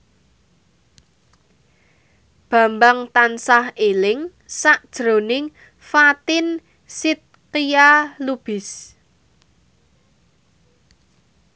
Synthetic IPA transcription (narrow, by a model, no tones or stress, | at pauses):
b̥ä̤mbaŋt̪ansahelɪŋ | saʔd̥ʒ̥ɾo̤nɪŋ | fat̪ɪn | sɪt̪̚kijalub̥ɪs